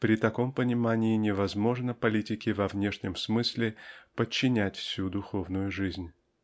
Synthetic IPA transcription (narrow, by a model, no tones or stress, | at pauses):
pɾʲɪt̪ɐko̞mpənʲɪmanʲɪɪnʲɪvɐzmo̞ʐnəpɐlʲitʲɪkʲɪvɐvnʲe̞ʂnʲɪmsmɨsʲlʲɪpət͡ɕːɪnʲætʲfsʲud̪ʊxo̞vnʊjʊʐɨzʲnʲ